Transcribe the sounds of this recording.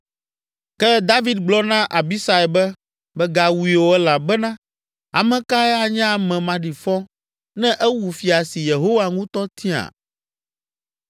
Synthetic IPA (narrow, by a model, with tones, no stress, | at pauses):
kɛ˦d̪a˦vi˦d̪ɡ͡blɔ˦nã˦ʔa˨bi˦sa˦ɛ˨bɛ˦ | bɛ˦ɡa˨wu˨i˨wo˨ɛ˦la˨bɛ˦nã˦ | a̰˨mɛ̃˨ka˦ɛ˦a˨ɲɛ̃˦a˨mɛ̃˨mã˨ɖi˨fɔ̃˦ | nɛ̃˦ʔɛ˦wu˨fi˨a˨si˨je˨ɦo˦wa˨ŋũ˦t̪ɔ˦t̪ĩ˦a̰˨